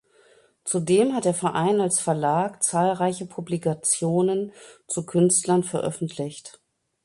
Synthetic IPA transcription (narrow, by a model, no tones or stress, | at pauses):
t͡sudeːmhat̚d̥eːɐfɛɐʔaɪnalsfɛɐlaːkt͡saːlʁaɪçəpʰublikat͡sjoːnənt͡sukʰʏnstlɐnfɛɐʔœ̰fn̩tʰlɪçt